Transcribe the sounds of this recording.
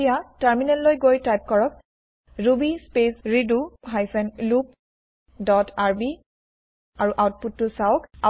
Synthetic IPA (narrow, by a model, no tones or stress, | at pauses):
ijataɹminɛllojɡojtajp̚kɔɹɔk̚ | ɹubispesɹiduɦajsɛnlup̚ | dɔtʰaɹbi | aɹuʔawt̚putːʊsaoʊka